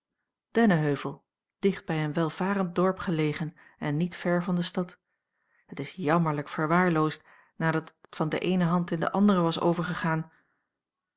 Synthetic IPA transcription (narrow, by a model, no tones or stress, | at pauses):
d̥ɛnəɦøɥvəlˠ | d̥ɪχd̚bɛjənʋɛlˠv̥aːrənt̚dɔɹpχəlejχən | ɛnːitfɛɹvɑndəstɑt | ɦətɪsjɑməɹləkfəɹʋaːɹlowst̚ | naːdɑtəttfɑndəʔejnəɦɑntɪndə̰ʔɑndərəʋɑso̰wvəɹχəχaːn